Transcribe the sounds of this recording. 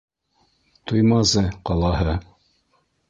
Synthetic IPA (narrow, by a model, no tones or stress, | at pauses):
t̪ujmɑzɤqɑlˠɑɦɤ